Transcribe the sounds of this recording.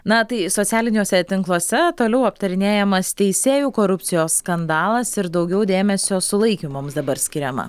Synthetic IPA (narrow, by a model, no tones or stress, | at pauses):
nɐt̪ɐɪsoːt̪sʲæːlʲɪnʲoːsʲɛt̪ʲɪŋklˠoːsʲɛt̪oːlʲɛʊɐpt̪ɐɾʲɪnʲeːjɛmɐst̪ʲɛɪsʲeːjuːkoːɾʊpʲt͡ssʲɪjoːsskɐnd̪ɑːlˠɐsɪɾd̪ɐʊɡʲɛʊd̪ʲeːmʲɛsʲoːsʊlˠɐɪkʲimoːmsd̪ɐbɐɾsʲkʲɪɾʲɛmɐ̰